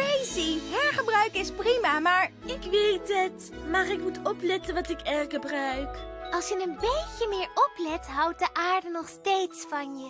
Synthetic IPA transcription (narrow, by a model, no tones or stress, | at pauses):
ejsiɦɛɹχəbrœɥkɪsprimamaːɹɪkʋejtət | maːrɪkmutɔplɛtənʋɑtɪkɛrχəbrœɥkʔɑlˠsjənənbejcəmɪːɹɔplɛtɦɑwt̚dəʔaːɹdənɔχstejtsfɑnjə